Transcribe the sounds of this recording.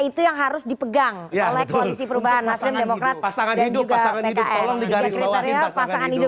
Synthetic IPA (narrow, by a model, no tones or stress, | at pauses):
it̪ujaŋɦaɾʊsdipəɡaŋolɛhkoalisipəɾubaɦanːaslɪmdemokɾat̪̚saŋadainduɡaaapedaʔɛlɔdikɾeaɾiapasaŋanhidʊ